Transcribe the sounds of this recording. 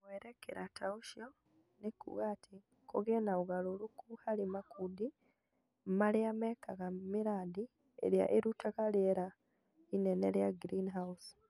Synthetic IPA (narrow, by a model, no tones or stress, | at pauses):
weɾekḛɾʔatʰauʃo | nekṵwɣatʰi | koɣenauɣalolukuhalimakʰudi | mmaliamekaɣamiɾaːd̪i | ḛɾja̰ʔeɾutʰaɣaljeɾa | inenḛɾjaɡɾinɦaus